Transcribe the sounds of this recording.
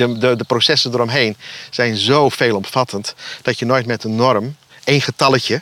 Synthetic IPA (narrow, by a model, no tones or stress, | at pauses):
ədədəprosɛsəndərɔmɦejnz̥ɛjnzowfeːlˠɔmfatʰəntd̥ɔtjənojtmɛtənːɔrəm | eːnχətɑlˠəcjə